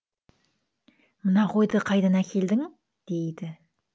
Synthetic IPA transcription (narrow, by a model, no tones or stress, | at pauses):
mənɑqo̞jd̪əqʰɑjd̪ɑnækʲʰe̞ld̪ɪŋ | d̪̥e̞jd̪ɪ